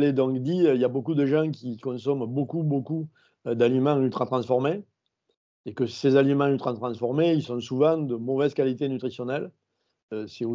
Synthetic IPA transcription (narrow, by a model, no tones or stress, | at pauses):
led̪ɔ̃ŋkd̪iøiljabokud̪əʒɑ̃kʲikɔ̃sɔmbokuboku | d̪alimɑ̃ylt̪χat̪χɑ̃sfɔʁme | ekəsezalimɑ̃ylt̪χɑt̪χɑ̃sfɔʁmeilsɔ̃suvɑ̃d̪əmɔvɛzkalit̪enyt̪χisjɔnɛl | øsɛo